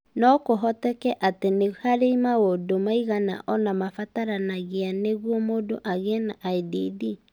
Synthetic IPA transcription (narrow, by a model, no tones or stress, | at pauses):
nɔkoɦɔtɛkɛʔatenehaɾeimaɣodomaiɣana̰ʔɔnamafataɾanaɣeaneɣwɔmodoʔaɣɛnaʔaediði